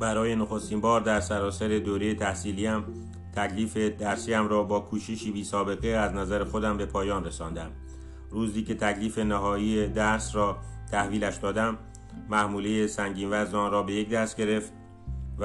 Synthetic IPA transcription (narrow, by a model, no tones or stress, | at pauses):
bæɾɒːje̞noxost̪iːmbɒːɾd̪æɾsæɾɒːsæɾe̞d̪oːɾejet̪ʰæhsiːliæm | t̪ʰækʰliːfe̞d̪æɾsiːæmɾɒːbɒːkʰuːʃeʃiːbiːsɒːbe̞ɣeæznæzæɾexo̞d̪æmbe̞pʰɒːjɒːnresɒːnd̪æm | ruːziːce̞t̪ʰækliːfe̞næɦɒːied̪æɾsrɒːt̪ʰæhviːlæʃd̪ɒːd̪æmː | æhmuːlejesæŋɟiːnvæzd̪ɒːnɾɒːbe̞jecd̪æst̪̚ɟe̞ɾe̞ft̪